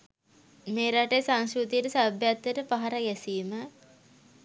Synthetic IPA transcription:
meːɾaʈejsaŋskut̪ijəʈəsabjat̪ːəʈəpaɦaɾaɡɛsiːmə

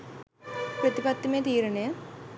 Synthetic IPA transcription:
prɐt̪ipɐt̪ːumeːt̪iːɾɐne

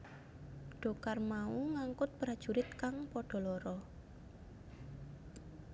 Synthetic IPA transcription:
ɖ̥ɔ̤karmauŋaŋkʊt̪̚pɾad̥ʒ̥uɾɪt̪̚kaŋpɔɖ̥ɔ̤lɔɾɔ

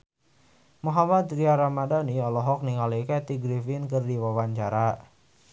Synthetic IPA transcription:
muɦamat̪riaɾamadaniɔlɔɦɔk̚niŋalikɛt̪iɡɾifɪnkərdiwawaɲt͡ʃaɾa

